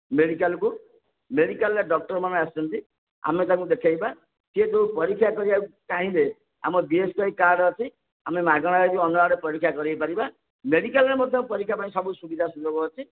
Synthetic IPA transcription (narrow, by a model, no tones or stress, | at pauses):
meɽikalku | meɽikalːeɖɔk̚ʈɔɾmanaast͡ʃʰɔnt̪i | a̰met̪ãŋkud̪ekʰajba | sied̪oupɔɾikʰːjakɔɾiakaɦĩle | a̰mɔbieskɔikaɾɖːt͡ʃʰi | amemaɡɔɽ̃aɾet̪iɔnɔaɾepɔɾikʰːjakɔɾipaɾiba | meɽikalɾemɔd̪ʱjɔpɔɾikʰːjapaɽĩsɔbusubid̪ʱasud͡ʒoɡɔːt͡ʃʰi